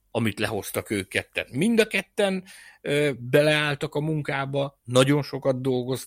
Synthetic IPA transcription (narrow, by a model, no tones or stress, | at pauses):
ɒmit̪lɛɦo̞st̪ɒkøːkːɛt̪ːɛ̰nmind̪ɒkɛt̪ːɛnøbɛlɛaːlt̪ɒkɒmuŋkaːbɒnɒɟo̞nʃo̞kɒd̪d̪o̞lɡoz